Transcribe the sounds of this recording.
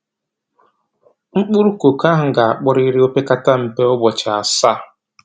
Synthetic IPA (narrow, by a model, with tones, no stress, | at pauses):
ŋ͡m̩˦k͡pʊ˦ɾu˦ko˨ka˦ɦʊ˨ɡa˨a˨k͡pʊ˦ɾi˦ɾe˦o˦pe˦ka˦ta˦m̩˨pe˦ʊ˦bɔ˨t͡ʃa˨a˨sa˦